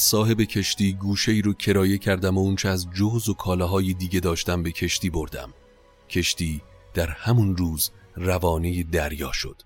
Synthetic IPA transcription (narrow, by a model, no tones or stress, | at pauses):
sɒːɦe̞be̞cʰe̞ʃt̪iːɡuːʃe̞iːɾocʰe̞ɾɒːje̞cʰæɾd̪æmount͡ʃʰeæzd͡ʒohzo̞kʰɒːlɒːɦɒːjed̪iːɟe̞d̪ɒːʃt̪æmbe̞cʰe̞ʃt̪iːbo̞ɾd̪æ̰m | cʰe̞ʃt̪iː | d̪̥æɾhæmunruːzrævɒːnejed̪æɾjɒːʃo̞̰d̪̥